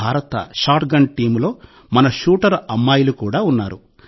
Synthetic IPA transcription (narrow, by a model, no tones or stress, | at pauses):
aːɾɐt̪ɐ̰ʃaːɾʈ̚ɡɐɳʈiːmlo̞ː | mɐnɐʃuːʈɐɾɐmːaːjulukuːɽaːunːaːɾu